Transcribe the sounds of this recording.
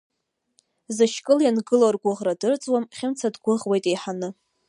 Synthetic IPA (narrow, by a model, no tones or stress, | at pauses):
zɨʃkʼɨljanɡɨlarɡʷʊʁradɨrt͡sʼwamχʲɪmt͡sʰadɡʷʊʁwejtʼejħanɨ